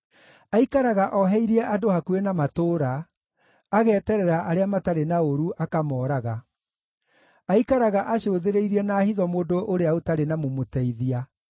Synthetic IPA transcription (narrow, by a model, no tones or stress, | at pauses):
aikaɾaɣaʔɔɦɛiɾiɛʔadohakuenamatoːɾaː | ɣɛːtɛɾɛɾaʔaɾeamataɾenaoɾuʔakamɔːɾaɣa | aikaɾaɣaʔaɕoːðeɾeiɾiɛnaːhiðɔmoːndoʔoɾeaotaɾenamomotɛiðia